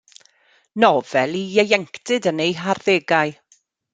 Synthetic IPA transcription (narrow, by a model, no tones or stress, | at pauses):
nɔv̥ɛlˠijɛjɛŋktɨdənejɦarðeːɡaɨ